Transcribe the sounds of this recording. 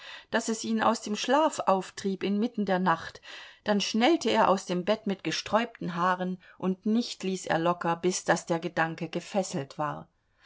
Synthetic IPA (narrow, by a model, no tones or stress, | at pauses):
d̥asɛsʔiːna̰ʊsd̥eːmʃlaːfʔaʊftʁ̥iːpɪnmɪtn̩deːɐnaχtd̥anʃnɛltəeːɐʔaʊsd̥eːmbɛtmɪtɡ̥əʃtʁ̥ɔʏp̚tn̩ɦaːʁənʔʊntnɪçtliːsḛːɐlɔkɐbɪsd̥asd̥eːɐɡədaŋkəɡəfɛsl̩tv̥aːɐ